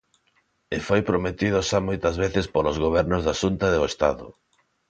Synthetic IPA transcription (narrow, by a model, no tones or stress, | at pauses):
ɪfojpɾomet̪iðoʃamojt̪ɐzβeθɪspolozɣoβ̞ɛɾnʊzðaʃunt̪aðoest̪aðʊ̰